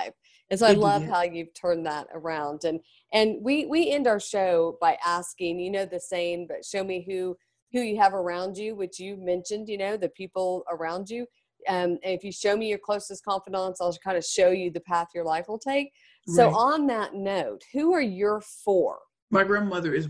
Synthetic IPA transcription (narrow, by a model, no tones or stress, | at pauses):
ɪf | ɨ̃nsoʊaɪlʌv̥haʊjʉv̥tʰɜ̃˞nðəɾə̰˞ãʊ̃ndɨ̃n | ʔɨ̃nwiwiɛ̃ndaʊə˞ʃoʊb̥aɪʔæskɪ̃ŋjɨnoʊðɨsẽɪ̃mbʌtʃoʊmiɦʉ | hʉjɨːvə˞ãʊ̃nd͡ʒɨwɨt͡ʃjɨmɛ̃nʃɨ̃ndjɨnoʊðɨpʰipl̩ˠə˞ãʊ̃nd͡ʒʉ | ʌ̃mɨ̃nɨfjɨʃoʊmijə˞kʰl̥oʊsɨskʰɑ̃ɱfɨɾə̃nsaɪlˠkʰãɪ̃ndɨʃoʊjɨðɨpʰæθʌjə˞laɪfwəl̩ˠtʰeɪk̚ | soʊʔə̃nðətⁿnoʊt̚huə˞jə˞fə˞ | maɪɡɹæ̃nmʌðə˞ɨz